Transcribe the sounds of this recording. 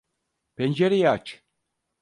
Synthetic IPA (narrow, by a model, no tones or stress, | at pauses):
pend͡ʒeɾijat͡ʃ